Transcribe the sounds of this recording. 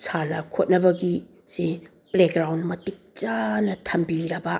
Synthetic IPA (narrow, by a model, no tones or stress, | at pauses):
sʰanɐkʰot̚nɐbɐɡi | se | blek̚ɡɾawnmɐtik̚t͡ʃanɐtʰɐmbiɾɐbɐ